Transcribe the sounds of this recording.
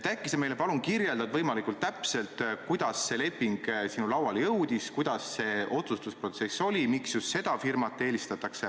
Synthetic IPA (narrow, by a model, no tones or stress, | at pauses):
t̪ækːˑiseme̞jle̞pɑlunkirje̞ld̪̥ɑd̪vɤjmɑlikult̪ːæpse̞lt̪kujd̪̥ɑsːe̞le̞pːiŋɡ̥sinulɑwɑljɤwd̪̥iskujd̪̥ɑsːe̞ʔo̞t̪sust̪uspro̞t̪se̞sːo̞lʲimiksjust̪se̞d̪̥ɑfirmɑt̪ˑːe̞ːlist̪ɑt̪ːˑɑkse̞